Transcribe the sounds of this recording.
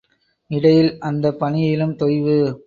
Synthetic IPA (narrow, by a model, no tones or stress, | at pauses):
ɪɽɐjɪlʔɐnd̪ɐpːɐnɪjɪlɯmt̪ɔjʋɯ